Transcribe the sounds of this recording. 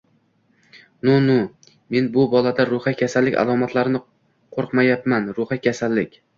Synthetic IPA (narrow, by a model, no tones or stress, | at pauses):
nʊnʊ | me̞nbʊbɒlad̪aɾʊhakʲʰasalːɪkʲa̰lˠɒmat̪ʰlaɾɪnɪ | qʰoɾqmajapmanɾʊhakʲʰasalːɪkʲ